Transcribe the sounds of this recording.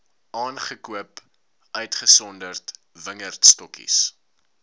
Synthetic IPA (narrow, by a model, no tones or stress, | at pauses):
ʔɑːnχəkuəp | ʔœɥtχəsɔndərt | vəŋərtstɔkḭs